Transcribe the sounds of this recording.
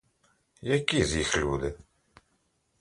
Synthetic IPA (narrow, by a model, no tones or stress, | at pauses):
jækːiðjəçluð